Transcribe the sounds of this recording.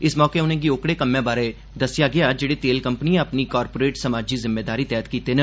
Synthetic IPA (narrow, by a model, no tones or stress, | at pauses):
ɪsmɔːkeːʊnẽːɡiːoːkɽeːkəmːjẽːbaːɾeː | d̪əsɪjaːɡɪaːd͡ʒeːɽeːt̪eːlkəmpniẽəpniːkaːɾpoːɾeːʈsəmaːd͡ʒiːzɪmːeːd̪aːɾiːt̪ɛːt̪kiːt̪eːnə